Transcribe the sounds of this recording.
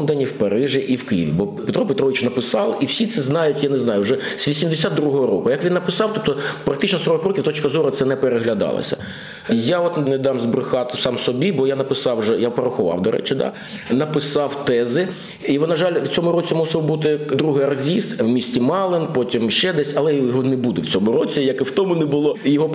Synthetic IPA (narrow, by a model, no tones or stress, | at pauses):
md̪ɐnʲiwpɐɾɪʒɪʔiwkɪjɪ̰ʋʲḭbɔpet̪ɾɔpet̪ɾɔʋɪt͡ʃnɐpɪsɑlˠiwsʲit̪sɛznɑjʊtʲjaneznɑjʊʒɛsʲʋʲisʲimd̪esʲad̪ːɾuɦɔɦɔɾɔ̰kʊjɐkʋʲinːɐpɪsɑwt̪ɔp̚t̪ɔpɾɐk̚t̪ɪt͡ʃnɔsɔɾɔkrɔkʲiwt̪ɔt͡ʃkɐzɔɾʊt̪sɛnɛpeɾeɦlʲɐd̪ɑ̰lˠɐ̰sʲɐ̰ | jaɔt̪ned̪ɑmzbɾʊxɑt̪ɪsɑmsɔbʲibɔjanɐpɪsɑwʒɛjapɐɾɐxʊʋɑ̰wd̪ɔɾɛ̰t͡ʃɪd̪a̰ | nɐpɪsɑwt̪ɛzɪ | iɔnɐʒɑlʲwt͡sʲɔmʊɾɔt͡sʲimusɪwbut̪̬ɪd̪ɾuɦɪjɐrzʲist̪wmʲisʲtʲimɑlˠɪnpɔtʲimʃt͡ʃɛd̪ɛsʲɐlˠɛjɔɦɔnɛbud̪ɛwt͡sʲɔmʊɾɔt͡sʲijɐkɪwt̪ɔmʊnɛbʊlˠɔjɔɦɔ